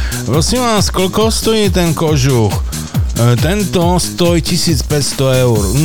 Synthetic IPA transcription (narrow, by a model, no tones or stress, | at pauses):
ɾɔsimʋaːskɔlkɔst̪ɔjiːt̪ɛnkɔʒux | t̪ɛnt̪ɔst̪ɔjcisiːt͡spɛcst̪ɔɛʊɾn